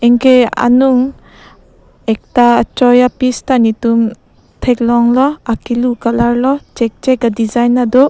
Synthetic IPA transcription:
ɛŋkea̰nuŋ | ɛk̚tat͡ʃɔjapistanitum | tʰeklɔŋlɔakilukalaɾlɔt͡ʃɛk̚t͡ʃɛkadizajnadɔ

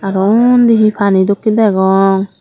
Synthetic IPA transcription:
aɾɔnd̪iɦipʰanid̪ɔkːid̪ɛɡɔŋ

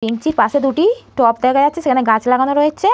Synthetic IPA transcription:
piŋt͡ɕiɾpaʃed̪uʈiʈɔpd̪ɛkʰajatːt͡ɕʰeʃekʰaneɡãt͡ɕlaɡanoɾoet͡ɕʰe

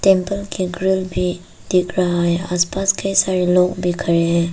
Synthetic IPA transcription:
tɛmpəlkiɡɾilbʱi | d̥ik̚ɾaajaspaskʰejsaɾilɔk̚bikʰɐɾɛ

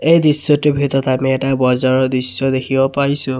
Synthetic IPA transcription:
ejdisːɔtʊbʱitɔtamɛɛtabɔzɔɹɔdɹisːɔd̪ekʰibɔpaɹisʊ̃

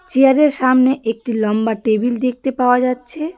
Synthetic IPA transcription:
t͡ɕeaɾeɾʃamneʔek̚ʈilɔmbaʈebild̪ek̚t̪epaoad͡ʑatːɕʰe

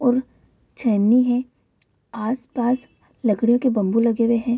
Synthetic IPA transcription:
ɔːɾ | t͡ʃʰɛniɦɛ̃ | aːspaːs | lɐɡɽijõkebɐ̃mbulɐɡeweɦɛ̃ː

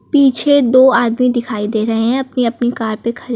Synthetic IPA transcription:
piːt͡ʃʰed̪oːaːd̪mid̪ɪkʰaːid̪eːɾɐɦeɦɛ̃ɐpniɐpnikaːɾpekʰɐɾe

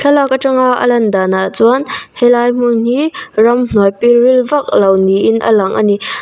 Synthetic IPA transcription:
kʰɛlakəʈ͡ʂəŋaʔə̰lɐndaːnat͡sɔanhɛlajm̥un̥irɐmn̥ɔjpirilvɐk̚lɐwniʔɪnʔə̰lɐŋʔa̰ni

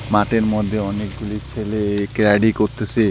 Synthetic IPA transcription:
maʈeɾmɔd̪ʱːeɔnek̚ɡulit͡ɕʰelekeɾaɖikoɾt̪et͡ɕʰe

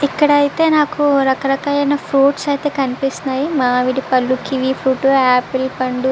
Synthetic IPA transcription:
ikːɐɽɐjit̪e̞ːnaːkuɾɐkɐɾɐkaːjɐjnɐpʰɾuːʈsɐjt̪e̞ːkɐnipist̪unːaːjimaːʋiɽipɐlːukiʋipʰɾuːʈuaːpilpɐɳɖu

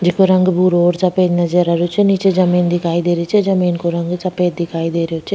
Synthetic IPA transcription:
d͡ʒikuɾɐŋɡɐbuːɾoːɾt͡ʃɐpːeːd̪nɐd͡ʒeɾɐɾut͡ʃinit͡ʃed͡ʒɐmiːnd̪ikaːjd̪eːɾit͡ʃed͡ʒɐmiːnkuɾɐŋɡɨt͡ʃɐpeːd̪ikaːjd̪eːɾit͡ʃːe

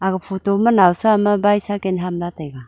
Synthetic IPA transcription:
aɡəpʰotomənawsamabajsakenɦamlatajɡa

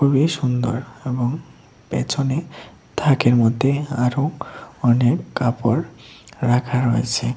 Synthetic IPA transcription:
kʰubiʃund̪o̰ɾeboŋ | pḛt͡ɕʰone | t̪ʰakeɾmɔd̪ʱːeaɾoɔnekːapoɾːakʰaɾoet͡ɕʰe

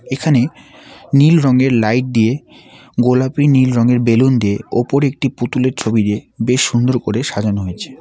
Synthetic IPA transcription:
ekʰane | nilɾɔŋeɾlajʈ̚d̪ie | ɡolapɾinilɾɔŋeɾbelund̪ieopoɾek̚ʈiput̪uleɾt͡ɕʰobid̪ebeʃːund̪oɾkoɾeʃad͡ʑonoɦojet͡ɕʰe̥

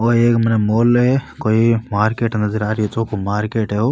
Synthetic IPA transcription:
oːeːkmənemoːlekoːimaːɾkeːʈnɐzəɾaːɾiet̪okomaːɾkeːʈɦeo

